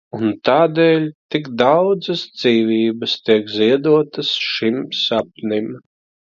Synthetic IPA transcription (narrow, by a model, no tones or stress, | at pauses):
unt̪aːd̪ɛːlʲt̪ikd̪awd̪zɐsd̪z̥iːvʲiːbɐst̪iɛkziɛd̪uɔt̪ɐsʃimsap̚nim